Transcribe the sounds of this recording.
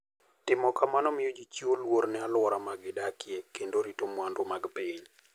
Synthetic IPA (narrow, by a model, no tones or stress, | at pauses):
tɪmɔkamanɔmɪjod͡ʒit͡ʃiolwoɾnɛalwɔɾamaɡɪdakɪekendoɾitomwandomaɡpɪɲ